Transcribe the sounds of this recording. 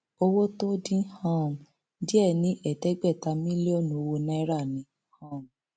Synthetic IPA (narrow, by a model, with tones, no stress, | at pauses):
o˧wo˦to˦dĩ˦hã˦˨m̩˨ | di˦ɛ˦˨nĩ˨˦ʔɛ˦˨tɛ˦ɡ͡bɛ˦˨ta˧mĩ˦li˦o˦˨nũ˨˧˨o˧wo˧nɛ̃˦ɾa˦˨nĩ˨˦ | hã˦˨m̩˨